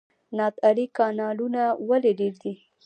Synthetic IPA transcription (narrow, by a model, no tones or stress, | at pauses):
nɑt̪aɾikɑnɑlunawaleɖeɾd̪i